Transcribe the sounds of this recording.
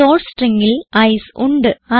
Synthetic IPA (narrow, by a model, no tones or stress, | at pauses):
oːʈsʈriŋɡilɐjsuɳɖɨɐ